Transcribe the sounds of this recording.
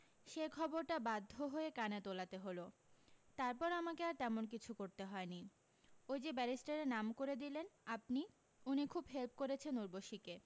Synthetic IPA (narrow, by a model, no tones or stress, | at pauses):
ʃekʰɔboɾʈabad̪ʱːoɦoekanet̪olat̪eɦolot̪aɾpɔɾamakeaɾt̪ɛmonk̬it͡ɕʰukoɾt̪eɦɔeni | ojd͡ʑebɛɾisʈaɾenamkoɾed̪ilenap̚ni | unikʰubɦelp̚koɾet͡ɕʰenuɾboʃike